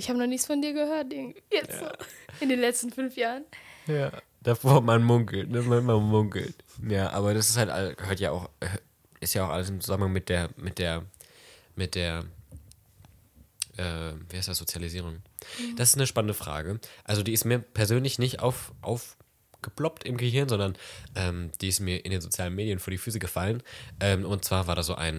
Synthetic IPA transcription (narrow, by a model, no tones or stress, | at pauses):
ʔɪçhaːbənɔχnɪçt͡sfɔndiːɐɡəhøːɐtʔɪɡtvijɛt͡sː | ɪndeːnlɛt͡stn̩fʏnfjaːʁənjaː | d̥afoːɐmanmʊŋkl̩tnəmanmanmʊŋkl̩tjaːʔa̰ːbɐd̥asɪ̥sthaltʔa̰ləsɡɦøːɐtja̰ːʔa̰ʊx | ʔɪstjaːaʊxʔa̰ləsɪmt͡suzamənhaŋmɪt̚d̥eːɐmɪt̚d̥eːɐ | mɪt̚d̥eːɐ | ʔɛːviːhaɪstd̥asz̥ot͡sjaliziːʁ̞ʊŋ | d̥as̬ɪ̥stnəʃpanəndəfʁ̥a̰ːɡəʔalzodiːɪstmiːɐpʰɛɐzøːnlɪçnɪçtʔa̰ʊfʔa̰ʊf | ɡ̥əplɔptɪmɡəhɪɐnzɔndɐnʔɛːmd̥iːɪstmiːɐʔɪndeːnzot͡sjaːlənmeːdijənfoːɐdiːfyːs̬əɡəfalənʔɛːmʊnt̚t͡sv̥aːɐvaːɐɾasz̥oːʔa̰ɪn